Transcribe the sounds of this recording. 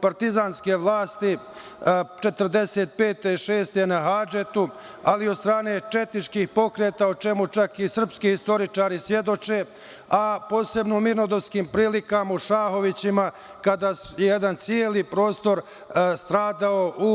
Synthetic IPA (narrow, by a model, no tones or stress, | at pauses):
paɾt̪izaːnske̞ʋlˠaːst̪i | t͡ʃe̞t̪ərd̪e̞se̞ːt̪̚pe̞ːt̪eʃe̞ːst̪e̞naɦaːd͡ʒet̪u | aliod̪st̪ɾaːne̞ːt͡ʃe̞t̪it͡ʃkiːxpo̞kɾe̞ːt̪aot͡ʃe̞mut͡ʃakisr̩pskiːist̪o̞ɾit͡ʃaːɾisje̞d̪o̞t͡ʃe̞ | apo̞ːse̞bnomiɾnod̪o̞ʋskiːmpɾiːlikamauʃaːɦo̞ʋit͡ɕima | kad̪aːjejed̪ant̪sjeːlipɾo̞ːst̪o̞ɾ | st̪ɾaːd̪ao̞ʔu